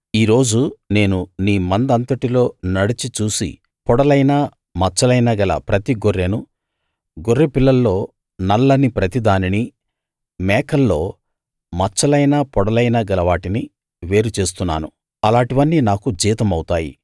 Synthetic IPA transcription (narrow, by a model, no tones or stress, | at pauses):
iːɾo̞ːd͡ʒune̞ːnuniːmɐnd̪ɐnt̪ɐʈilo̞ːnɐɽit͡ʃit͡ʃuːsḭ | pɔɽɐlɐjnaː | mɐt͡ʃːɐlɐjnɐɡɐlɐ̰pɾɐt̪iɡorːenu | ɡorːepilːɐlːo̞ː | nɐlːɐnipɾɐt̪id̪aːnini | mɛːkɐlːo̞ː | mɐt͡ʃːɐlɐjnapɔɽɐlɐjnɐɡɐlɐʋaːʈini | ʋe̞ːɾut͡ʃe̞ːs̬t̪unːa̰ːnu | ɐlaːɳʈiʋɐnːiːnaːkud͡ʒiːt̪ɐmɐwut̪aːjḭ